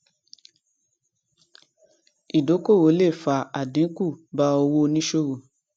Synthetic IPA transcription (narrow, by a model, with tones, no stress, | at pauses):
i˨do˨˦ko˦˨wo˨˦le˦˨fa˨a˨dĩ˨˦ku˦˨ba˧˦o˧wo˦˧nĩ˦ʃo˦ɾo˨